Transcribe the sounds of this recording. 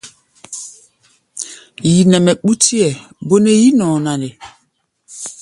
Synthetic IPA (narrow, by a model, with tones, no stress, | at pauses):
ji˨nɛ˨mɛ˨ɓu˦ti˦ɛ˨ | bo˦ne˦ji˦nɔ˨na˨ne˨